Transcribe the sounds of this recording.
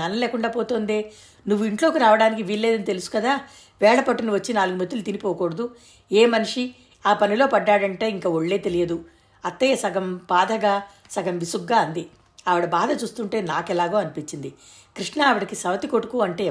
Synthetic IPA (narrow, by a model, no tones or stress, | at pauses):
ɐnɐlɛːkuɳɖaːpoːt̪oːnd̪eː | nuʋːuiɳʈlo̞ːkiɾaːʋɐɽaːnik̬iʋiːlːeːd̪ɐnit̪e̞lusu̥kɐd̪aː | ʋɛːɭɐpɐʈːɐniʋɐt͡ʃːinaːluɡumɐt̪ːiulut̪inipɔːkɔːɽɐd̪u | eːmɐniʂi | aːpɐnilo̞ːpɐɖːaːɽɐɳʈe̞ːiŋkaːoɭːe̞ːt̪elijɐd̪u | ɐt̪ːeɐsɐɡɐmpaːd̪ʱɐɡaː | sɐɡɐmʋisuɡːaːɐnd̪i | ɐʋɐɽɐbaːd̪ʱɐt͡ʃuːst̪uɳʈe̞ːnaːkɛlaːɡoːɐnipiɲt͡ʃːind̪i | kɾiʂɳɐːʋɐɽɐkisɐʋɐt̪iko̞ʈukuːɐɳʈe̞ː